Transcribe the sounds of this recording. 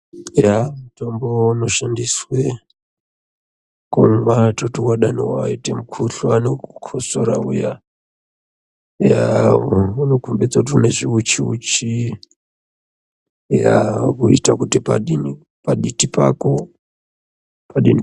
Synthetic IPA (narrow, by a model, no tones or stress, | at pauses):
jamtombouno̞ʃandiswe | komʋatotukaɗanowaaitemukʰuɬwanokukʰosoɾaṵja | ja | unokumbed͡zotuneʐiut͡ʃiṵt͡ʃi | ja̰kuitakutipa̰ɗini | paɗitipako | paɗini